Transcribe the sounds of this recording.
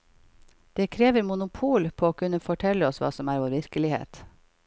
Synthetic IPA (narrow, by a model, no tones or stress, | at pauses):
d̪̥eːkʰɾeːʋəɾmʊnʊpʰuːlpʰoːoːkʰʉnəfɔʈʰɛləɔsʋɑ̰ːsɔmæːɾʋoːɾʋɪɾkəlɪhḛːt̪